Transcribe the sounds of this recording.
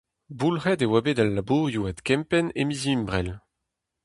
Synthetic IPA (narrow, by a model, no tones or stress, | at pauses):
bulʁɛd̪ewabed̪alːabuʁjuat̪kɛ̃mpɛnemizimbʁɛl